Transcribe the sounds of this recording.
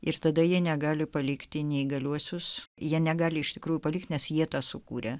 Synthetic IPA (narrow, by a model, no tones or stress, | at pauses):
ɪrt̪ɐd̪ɐjiɛnʲɛɡɑːlʲɪpɐlʲɪkt̪ʲɪnʲɛɪɡɐlʲuɔsʲʊsjiɛnʲɛɡɑːlʲɪɪʃt̪ʲɪkɾuːjʊpɐlʲɪːkt̪ʲnʲɛsjiɛt̪ɑːsʊkuːɾʲɛ